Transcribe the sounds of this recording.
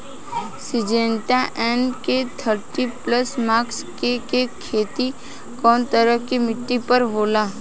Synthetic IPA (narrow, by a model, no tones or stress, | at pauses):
sɪd͡ʒẽːɳʈaʔɛːnket̪ʰəɾʈipləsmaːkskekekʰeːt̪i | kɔːnt̪əɾəkimɪʈːipəɾɦoːlaː